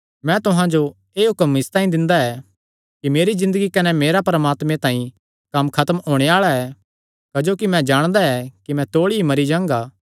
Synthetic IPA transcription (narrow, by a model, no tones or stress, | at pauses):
mɛ̃t̪ʊɦãd͡ʒo | eːɦʊkəmɪst̪ãːĩd̪ɪ̃nd̪aɛ | kimeːɾizɪ̃nd̪əɡikɐnɛmeːɾapɐɾəmaːt̪mẽt̪ãːĩ | kɐmkʰɐt̪əmɦoːɽ̃eaːɭaɛː | kɐd͡ʒoːkimɛ̃d͡ʒaːɽ̃d̪aɛkimɛ̃t̪oːɭiimɐɾid͡ʒãːŋɡaː